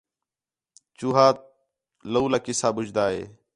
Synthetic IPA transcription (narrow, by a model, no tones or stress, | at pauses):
t͡ʃuːɦaːt̪̚ | ləuːlaːkɪsaːbʊd͡ʒd̪aːɦḛː